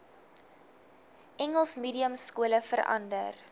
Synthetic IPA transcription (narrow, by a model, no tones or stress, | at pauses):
ʔɛŋəlˠsmiːdiəmskuələfəɾɐ̰ndər